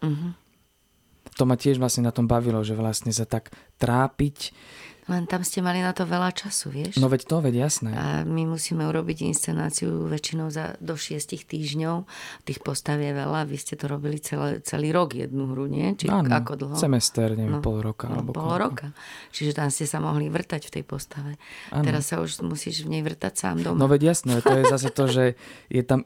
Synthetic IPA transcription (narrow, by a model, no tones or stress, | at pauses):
m̩ɦm̩ | t̪ɔmacɪɛʒʋlasɲɛnat̪ɔmbaʋilɔʒɛʋlastɲɛs̬at̪ak | t̪ɾaːpiclɛnt̪amscɛmalinat̪ɔʋɛlat͡ʃasṵʋɪɛʃnɔʋɛct̪ɔʋɛɟjasnɛa̰mimusiːmɛuɾɔbiɟḭnst͡sɛna̰ːt͡siuʋɛt͡ʃinɔʊza̰d̪ɔʃɪɛscixt̪iːʒɲɔʊt̪iːxpɔst̪aʋjɛʋɛ̰laʋiscɛt̪ɔɾɔbilit͡sɛlɛ̰t͡sɛ̰liːɾɔɡjɛ̰d̪̚nuɦɾuɲɪɛ̰t͡ʃiaːnakɔd̪l̩ˠɦɔɛmɛst̪ɛɾɲɛnɔpɔlɾɔkaa̰lɛ̰bɔpɔllɾɔkat͡ʃiʒɛt̪amscɛsamɔɦliʋr̩t̪acft̪ɛ̰jpɔst̪aʋɛaɛɾasːaṵʒmusḭːʒvɲɛjʋr̩t̪acsa̰ːmd̪ɔmnɔʋɛɟjasnɛʋɛt̪ɔjɛzas̬ɛt̪ɔʒɛjɛt̪am